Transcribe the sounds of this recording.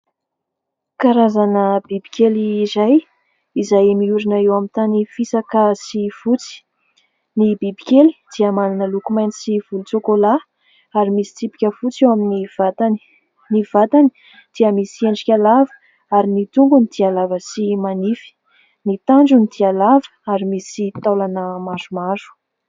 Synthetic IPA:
kaɾazanəbibikʲeliːzaj | izajemiuɾinaewamint̪anifisakəsifut͡si̥ | nibibikʲeli̥d̪̥iəmaninəlukumajnisiv̥ulut͡sokola | aɾimisi̥t͡sipi̥kʲəfut͡sewaminivat̪ani̥ | niv̥at̪ani̥ | d̪̥iəmisieɳɖ͡ʐikʲalavə̥ | aɾinit̪uŋɡunid̪̥ialavəsimanifi̥ | nit̪aɳd͡ʒunid̪̥ialavə̥aɾimisit̪alanəmazumaɾu̥

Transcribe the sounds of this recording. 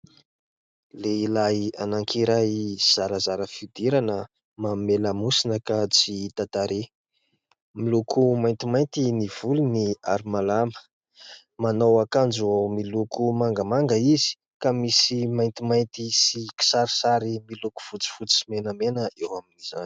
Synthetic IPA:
leilaianaŋkʰiɾajz̥aɾəzaɾəfid̪iɾanə | mameləmusinəkat͡sit̪at̪aɾe | milukʰumajnt̪imajnt̪iniv̥uluniaɾimalamə̥ | manowakand͡ʒomilukʰumaŋɡəmaŋɡəizi̥ | kamisimajnt̪imajnt̪isiki̥saɾi̥saɾimiluku̥v̥ut͡si̥fut͡simenəmenəʔewaminiz̥a̰ni̥

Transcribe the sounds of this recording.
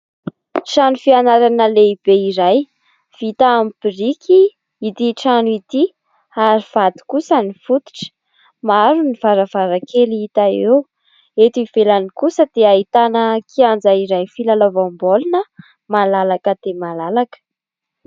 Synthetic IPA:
ʃanufianaɾanəleib̥eiɾaj | v̥it̪aambiɾikʰi | it̪iʈ͡ʂanuit̪i | aɾiv̥ad̪i̥kusənifut̪u̥ʈ͡ʂə̥ | maɾuniv̥aɾəvaɾakʰeliit̪aew | et̪ivelanikusəd̪̥eait̪anəkʰiand͡zaiɾajfilalovambolinə | malalakəd̪̥emalalakə̥

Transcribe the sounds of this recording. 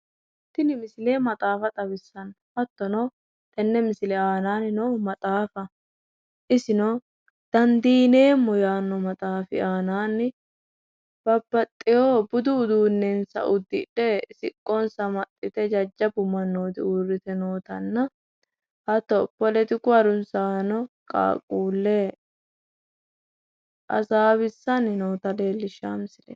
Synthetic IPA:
t̪ːɪnɪmɪsleːmɐt̪ʼaːfɐt̪ʼɐβɪsːɐn | hɐt̪ːɔnɔ | t̪ʼɛnːɛmɪsɪlɛaːnaːnɪnɔmɐt̪ʼaːfɐ | ʔɪsɪnɔ | d̪̥ɐnd̪iːne̞ːmːɔjaːnːɔmɐt̪ʼaːfɪ̰aːnaːnːɪ | b̥ɐbːɐt̪ʼːɪjoːbʊd̪ʊːd̪uːnːɛnsɐ̰ʔʊd̪ːɪ̰ᶑɛsɪkʼːɔnsɐmɐt̪ʼːɪt̪ɛd͡ʒɐd͡ʒːɐbʊmɐnːoːt̪ɪurːɪt̪ɛnoːt̪ɐnːɐ | hɐt̪ɔpːɔlɛt̪ɪkʊɐɾʊnsaːnɔkʼa̰ːkʼuːlːɛ | ʔɐ̰saːβɪsːɐnːɪnoːt̪ɐle̞ːlːɪʃaːmsɪlɛ

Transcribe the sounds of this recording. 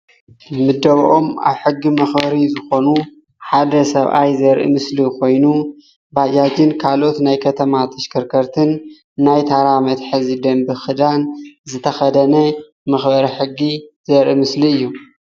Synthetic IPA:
mɨd̪ːɐβʔo̞ma̰βħɨɡːimɐxbɐɾizɨxo̞nu | ħad̪ɐsɐβʔa̰jzɐɾʔḭmɨslikʰo̞jnu | bad͡ʒad͡ʒɪnkʰalo̞t̪najkʰɐt̪ʰɐmat̪ʰʼɨʃkʰɨɾkʰɐɾt̪ʰɨnː | ajt̪ʰaɾamɐt̪ħɨzid̪ɐmbɨxɨd̪anzɨt̪ʰɐxɐd̪ɐnɐ | mɐxbɐɾiħɨɡːiz̥ɐɾʔimɨsliɨjːu

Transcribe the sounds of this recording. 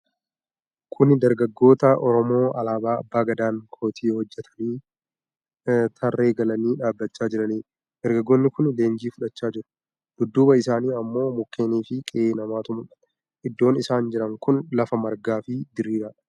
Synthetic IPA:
kʰʊnd̪ɐɾɡɐɡːo̞ːt̪ɐʔɔɾɔmo̞ːɐlaːbaːɐ̰bːaːɡɐd̪aːŋkʰo̞ːt̪ʰiːhɔd͡ʒːɛt̪ʰɐ̥niː | t̪ʰɐrːe̞ːɡɐlɐniːᶑaːbːɐt͡ʃːaːd͡ʒɪɾɐniː | d̪̥ɐɾɡɐɡːoːnːɪkʊnle̞ːnd͡ʒiːfʊᶑɐt͡ʃːaːd͡ʒɪɾʊ̥ | d̪̥ʊd̪ːuːbɐɪsaːniːɐmːo̞ːmʊkːe̞ːniːfɪkʼɪeːnɐmaːt̪ʊmʊᶑɐ̥ | ʔɪd̪ːo̞ːnɪsaːnd͡ʒɪɾɐŋkʊnlɐfɐmɐɾɡaːfɪd̪ɪɾiːɾɐ

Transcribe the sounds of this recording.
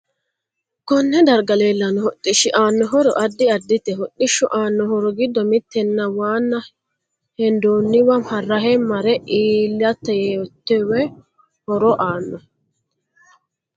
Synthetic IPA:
kɔnːɛd̪ɐɾɡɐleːlːɐnɔhɔt̪ʼːɪʃɪʔaːnːɔɦɔɾɔ̰ʔɐd̪ːɪɐd̪ːɪt̪ːɛɦɔɗːɪʃːɔʔaːnːɔɦɔɾɔɡɪd̪ːɔmɪt̪ːɛnːɐwaːnːɐ | hɛnd̪oːnːɪwɐmhɐrːɐɦɛmːɐɾɛiːlːɐt̪ːɛjeɔt̪ːɛwɛ | hɔɾɔʔaːnːɔ

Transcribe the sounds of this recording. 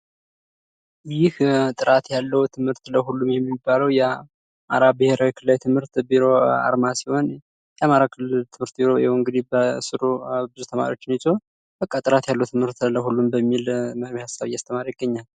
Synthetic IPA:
jɪht̪ʼɨɾat̪jalːəwt̪ʰɨmhɨɾt̪ləɦulːumjɛmːibːaləwjɛ | ma̰ɾabɨheɾawikʰɨlːawjt̪ʰɨmhɨɾt̪biɾo̞a̰ɾmasi̥ho̞n | jɛamaɾakʰɨlːɨlt̪ʰɨmhɨɾt̪biɾo̞ɛŋɡɨd̪ibəsɨɾubɨzut̪ʰəma̰ɾḭwo̞t͡ʃːɪnjɛt͡ʃʼow | b̥əkʼːat̪ʼɨɾat̪jalːəwt̪ʰɨmhɨɾt̪ləhulːumbəmːilməɾβihasːaβjːast̪ʰəmaɾjɪɡːəɲːal

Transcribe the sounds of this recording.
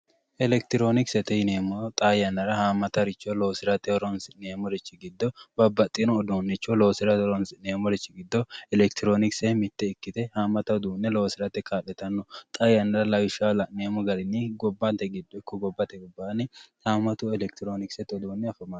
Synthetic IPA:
ʔɛlɛk̚t̪ɪɾo̞ːnɪksɛt̪ɛneːmɔt̪ʼajɐnːɐɾɐhaːmːɐt̪ɐɾɪt͡ʃːɔloːsɪɾɐt̪ɛɔɾɔnsɪneːmɔɾɪt͡ʃːɪɡɪd̪ːɔbɐbɐt̪ʼːɪnɔːd̪onːɛt͡ʃːoloːsɪɾɐɾɔnsneːmɔɾɛt͡ʃːɪɡɪd̪ːɔɛlɛkt̪ɪɾoːnɪksɛmɪt̪ːɛɪkːɪt̪ɛhaːmːɐt̪ɐd̪uːnːɛloːsɪɾɐt̪ɛkʰʼaːᶑɛt̪ɐnːɔt̪ʼaːjɐnːɐɾɐlɐjɪʃalɐneːmɔɡɐɾɪnːiɡɔbːɐt̪ɛɡɪd̪ːɔɪkːɔɡɔbːɐt̪ɛɡɔbːaːnɪhaːmːɐt̪ʊɛlɛk̚t̪ɪɾoːnɪksɛt̪ɔd̪uːnːɛɐfɐma

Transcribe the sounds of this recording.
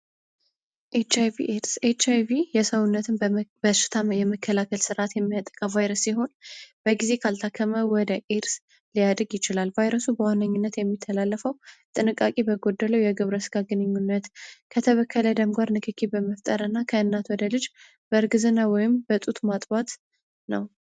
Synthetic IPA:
ʔet͡ʃajvḭʔeɾset͡ʃajvijɛsəwʊnːət̪ʰɨnbəʃɪ̥t̪ʰajɛməkʰːəlakʰəlsɨɾʔat̪jɛmːijat̪ʼə̥kʼavajɾəsiɦo̞nb̥əɡize̞kʰalt̪ʰakʰːəməwɔd̪əʔeɾs | lijad̪ɾɨɡjɪt͡ʃɪlalvajɾəsubəwanːəɲːunːət̪jɛmːit̪ʰːəlalːəfəwt̪ʼɨnɨkʼːakʼibəɡo̞d̪ːələwjɛɡɨβɾəsɡ̥aɡɨnɨɲːunːət̪kʰət̪ʰəβəkʰːələd̪əmɡaɾnɨkʰɨkʰibəməft̪ʼəɾɨnːakʰəɨnːat̪wɔd̪əlɨd͡ʒ | b̥əɨɾɡɨzɨnːawɔjɪmbət̪ʼut̪mat̪ʼbat̪ | nəw

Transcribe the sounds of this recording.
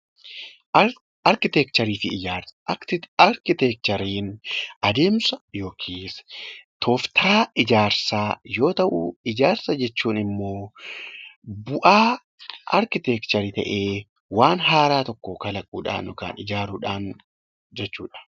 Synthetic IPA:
ɐɾkɪt̪ɛkt̪ɐɾiːfɪɪd͡ʒaːɾsɐ̥ɐɾkɪt̪ɛk̚t͡ʃ̪ɐɾiːnɐd̪e̞ːmsɐjo̞ːkʰiːst̪ʰoːft̪ʰaːɪd͡ʒaːɾsaːjo̞ːt̪ɐʔṵɪd͡ʒaːɾsɐd͡ʒɛt͡ʃːuːnɪmːo̞ː | bʊʔaː | ɐ̰ɾkɪt̪ɛkt̪ɐɾit̪ɐ̰ʔe̞ː | waːnɦaːɾaːt̪ɔkːoːkɐlɐkʼuːᶑa̰ːnːʊka̰ːnɪd͡ʒaːɾuːᶑaːn | d͡ʒɛt͡ʃːṵːᶑɐ̥

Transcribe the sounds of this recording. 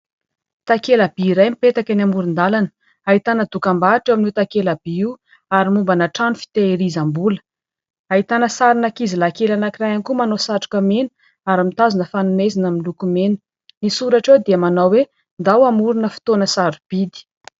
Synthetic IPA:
t̪akelabiːɾajmipet̪akʲanamuɾund̪alanə̥ | aɦit̪anəd̪ukambaʈ͡ʂewamnut̪akelab̥iiw | aɾimumbanaʈ͡ʂanufi̥t̪eɾizambulə̥ | aɦit̪anəsaɾinakizilakelanakirajanikumanosaʈ͡ʂu̥kəmenu̥ | aɾimit̪azunəfanunezinamilukumenu̥ | nisuɾaʈ͡ʂewd̪iamanawwe | nd̪awamuɾunəfi̥t̪onəsaɾub̥id̪i̥

